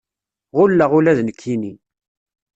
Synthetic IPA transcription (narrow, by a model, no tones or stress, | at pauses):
ʁʊlːaʁulæðnəkʰːini